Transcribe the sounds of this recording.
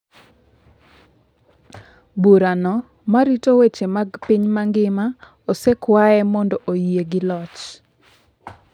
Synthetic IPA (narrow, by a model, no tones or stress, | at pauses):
buɾanɔ | maɾitowet͡ʃemaɡpiɲmaŋɡɪma | osɛkwaɛmɔndɔʔojeɡɪlɔt͡ʃ